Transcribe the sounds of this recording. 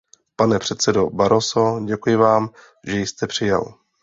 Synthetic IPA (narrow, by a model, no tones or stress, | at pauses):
panɛpr̥ɛt̪sɛdobaɾoso̞ɟɛkujɪvaːm | ʒɛjst̪ɛpr̝̥ɪjɛ̰l